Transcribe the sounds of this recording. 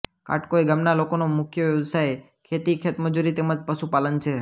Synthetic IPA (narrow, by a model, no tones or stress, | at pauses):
ka̰ʈkoeɡamnalokonomʊkʰjəʋjəʋsaj | kʰet̪ikʰet̪məd͡ʒuɾit̪eməd͡ʒpəsupalənt͡ʃʰe